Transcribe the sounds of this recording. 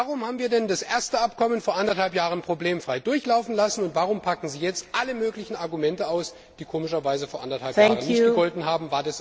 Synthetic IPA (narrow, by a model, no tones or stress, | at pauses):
vaʁʊmhaːbm̩viːɐdɛndasʔeːɐstəap̚kʰɔmənfoːɐʔandɐthalpjaːʁənpʁ̥obleːmfʁ̥aɪdʊɐçlaʊfn̩lasn̩ʊntv̥aːʁ̞ʊmpʰakŋ̩ziːjɛt͡stʔaləmøːklɪçn̩aɐɡumɛntəaʊs | d̥iːkʰoːmɪʃɐvaɪzəfoːɐʔandɐthalpːŋʁənɪçɡ̥əɡ̥ɔltn̩ɦaːbm̩vaːɐdas